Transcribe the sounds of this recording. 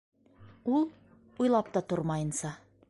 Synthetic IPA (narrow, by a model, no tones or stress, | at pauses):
ulˠ | ujlˠɑp̚t̪ɑt̪oɾmɑjɤ̆nsɑ